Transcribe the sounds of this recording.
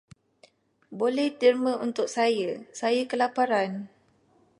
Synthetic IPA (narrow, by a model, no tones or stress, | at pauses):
bolɛht̪ərmə̃unt̪ʊk̚sajəsajəkəlapaɾan